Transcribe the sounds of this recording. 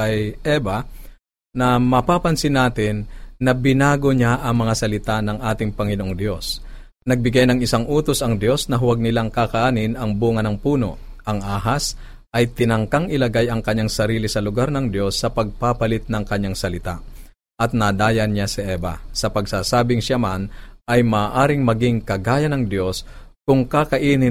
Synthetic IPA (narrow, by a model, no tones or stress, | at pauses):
ɐjʔɛbɐ | nɐmɐpapɐnsɪnaːt̪ɪnːɐbɪnaːɡoɲaʔɐŋmɐŋasɐlɪt̪anɐŋʔaːt̪ɪŋpɐŋɪnoʔoŋd̪jo̞s | nɐɡ̚bɪɡajnɐŋɪsaŋʔuːt̪o̞sɐŋd̪jo̞snɐɦʊwɐɡ̚nɪlaŋkakɐʔaːnɪnɐŋbuːŋɐnɐŋpuːno̞̰ʔ | ʔɐŋʔaːɦɐs | ʔɐjt̪ɪnɐŋkaŋʔɪlɐɡajɐŋkɐɲːaŋsɐɾiːlɪsɐlʊɡaɾnɐŋd̪jo̞sːɐpɐɡ̚papɐlɪt̪̚nɐŋkɐɲːaŋsɐlɪt̪aʔ | ʔɐt̪̚nɐd̪aːjɐnɲasɐʔɛːbɐ̰sɐpɐɡsaːsaːbɪŋʃamanʔɐjmaːʔaːɾɪŋmɐɡiŋkɐɡaːjɐnɐŋd̪jo̞skʊŋkakɐʔiːnɪ